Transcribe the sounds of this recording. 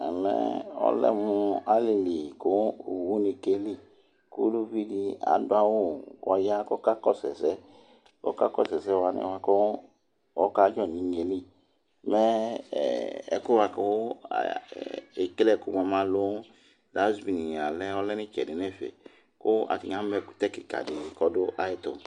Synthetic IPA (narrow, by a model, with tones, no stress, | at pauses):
a˨lɛ̰˦ɔ̰˦lɛ̰˦muu˧a˦li˨li˨ko˦˨wu˦ni˧ke˧li˦˨ | ku˦lu˦bi˦di˧a̰˨˦du˦a˧wo˦˨ɔ˧ja˦kɔ˦ka˦kɔ˦˨sɛ̰˨sɛ˦ | kɔ̰˦ka˦kɔ˦˨sɛ˨sɛ˨˦˧wa˧nḭ̃˦˨wa˧kɔ˦ | ɔ˦ka˦d͡ʒɔ˦˨ni˨ɲe˧li˦˨ | mɛ̰˦˨ | ɛ̰˨˦ku˦wa˧ko̰˦˨ | e˨ke˦lɛ˦˨ku˨m˨ɔ˨˧ma˧lo˦ | da˨˦zbi˨ni˨a˨lɛ˦ɔ˦lɛ˦ni˦t͡ʃɛ̰˨de˨nɛ˦˨fḛ˨ | ko˦a̰˨ti˨ŋa˨˦mɛ˧ku˨tɛ˦ki˨ka̰˨di˨kɔ˧do˦ʔa˦je˦to̰˨